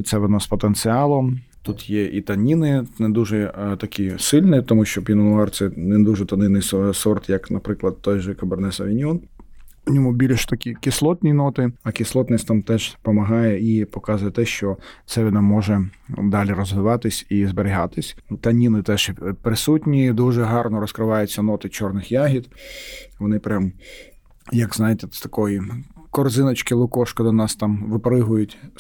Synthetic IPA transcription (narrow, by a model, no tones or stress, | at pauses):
t̪sɛʋɔnɔspɔt̪ent̪sɨɑlˠɔmt̪ut̪jɛʔit̪ɐnʲinɪnɛd̪uʒɛt̪ɐkʲʰisɪlʲnɪt̪ɔmuʃt͡ʃɔpʲinɔnʊɑrt̪sɛnɛd̪uʒɛt̪ɐnɪnɪjssɔrt̪jɐknɐpɾɪklˠɐd̪t̪ɔjʒɛkɐbɐrnɛsɐʋʲinʲɔn | ʊnʲɔmʊbʲilʲʃt̪ɐkʲikʲɪslˠɔt̪ʲnʲijnɔt̪ɪɐkʲɪslˠɔt̪ʲnɪsʲtʲt̪ɑmt̪ɛʒpɔmɐɦɑjɛipɔkɑzʊjɛt̪ɛʃt͡ʃɔt̪sɛʋʲinɑmːɔʒɛd̪ɑlʲiɾɔzʋɪʋɑt̪ɪsʲizbeɾʲɪɦɑt̪ɪsʲt̪ɐnʲinɪt̪ɛʃpɾɪsutʲnʲid̪uʒɛɦɑrnɔɾɔskɾɪʋɑjʊt͡sʲːɐnɔt̪ɪt͡ʃɔrnɪxjaɦʲid̪ʋɔnɪpɾʲam | jɐɡznɑjɪt̪ɛst̪ɐ̥kɔji | kɔrzɪnɐt͡ʃkɪlˠʊkɔʃkɔd̪ɔnɑst̪ɑmʋɪpɾɪɦʊjʊtʲ